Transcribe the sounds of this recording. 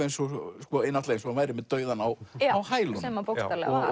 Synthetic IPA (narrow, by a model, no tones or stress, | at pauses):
ejnsɔskɔejnaht̪ɛejnsɔmaːjɾɪmɛðt̪œːɥðanawawhaːjlʏsɛːmapowsalɛ̰